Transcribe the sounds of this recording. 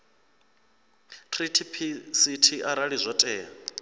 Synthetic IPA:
tʰritʰipʰisitʰiʔaɾaɺizʷɔtʼɛːa

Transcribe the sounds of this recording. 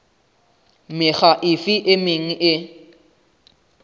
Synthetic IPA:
mɪɣaʔɪfɪʔɪmɪŋ̩ʔɪ

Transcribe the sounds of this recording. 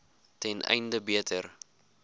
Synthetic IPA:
tɛnʔɛ̰jndəbiətʰər

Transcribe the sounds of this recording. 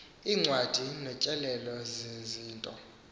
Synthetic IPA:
iːŋ͡ǀʱwad̥ʱinɛt͡ʃʼɛlɛlɔzeziːntʼɔ̰

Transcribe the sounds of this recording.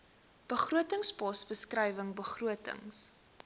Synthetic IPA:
b̥əχruətəŋsbɑsbəskrɐjvəŋbəχruətə̰ŋs

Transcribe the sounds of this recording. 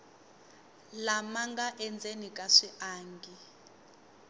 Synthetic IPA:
lamaŋɡaʔɛnd͡zenikʼaʂiʔaːŋɡi

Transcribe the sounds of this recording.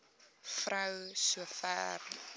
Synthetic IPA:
frəwsuəfæ̰ːr

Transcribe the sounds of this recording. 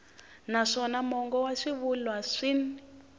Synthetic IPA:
naʂɔnamɔŋɡɔwaʂiβulwaʂin

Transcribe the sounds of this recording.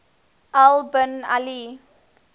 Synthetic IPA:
ʔalbəna̰li

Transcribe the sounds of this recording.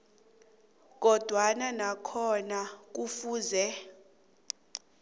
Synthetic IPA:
k̬ɔd̥ʱwananakʰɔnak̬ufuːzɛ

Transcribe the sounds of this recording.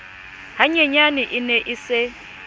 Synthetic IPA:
ɦaɲeɲanɪʔineʔise

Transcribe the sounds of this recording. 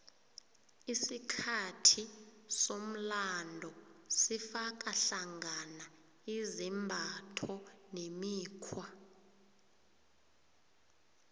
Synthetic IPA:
isikʰatʰisom̩landʱɔsifak̬ʼaɬaŋana | izimbʱatʰɔnemiːkʰwa

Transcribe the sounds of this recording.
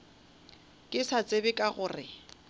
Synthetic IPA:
kʼɪsat͡sʼebɪkʼaɣʊːrɪ

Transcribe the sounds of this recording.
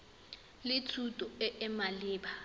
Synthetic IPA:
lɪt͡sʰutʼɔɪʔɪmalɪːba

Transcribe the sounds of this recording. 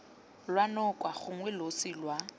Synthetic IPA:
lwanʊkʼwaχʊŋwɛlosilwa

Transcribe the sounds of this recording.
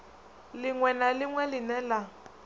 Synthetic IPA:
lɪŋwɛnalɪŋwɛlɪnɛla

